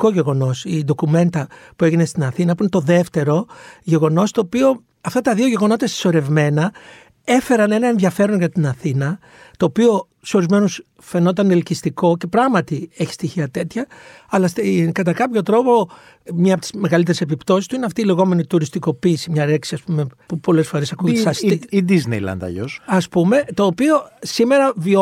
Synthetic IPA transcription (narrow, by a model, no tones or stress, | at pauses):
ko̞ʝe̞ɣo̞no̞sid̪o̞kume̞nt̪ɐpue̞ʝine̞st̪inɐθinɐpuinet̪o̞ðe̞ft̪e̞ɾo̞ʝe̞ɣo̞no̞st̪o̞ːpio̞ | ɐft̪ɐt̪ɐðio̞ʝe̞ɣo̞no̞t̪ɐsi̥so̞ɾe̞vme̞nɐ | e̞fe̞ɾɐne̞nɐe̞nðiɐfe̞ɾo̞nʝɐt̪inɐθinɐ | t̪o̞ːpio̞ | so̞ɾizme̞nus | fe̞no̞t̪̬ɐnelcist̪iko̞ce̞pɾɐɣmɐt̪ie̞çi̥st̪içiɐt̪e̞t̪çɐ | ɐlɐst̪kɐt̪ɐkɐpço̞t̪ɾo̞po̞ | mɲɐpot̪i̥zme̞ɣɐlit̪eɾese̞pipt̪o̞sist̪uineɐft̪iːle̞ɣo̞me̞nit̪uɾist̪iko̞piːsimɲɐɾe̞ksiɐspume̞pupo̞le̞sfo̞ɾe̞sɐkuʝet̪sɐsid̪iznḛjlɐ̰nd̪ɐ̰ʝosɐspume̞t̪o̞ːpio̞sime̞ɾɐvio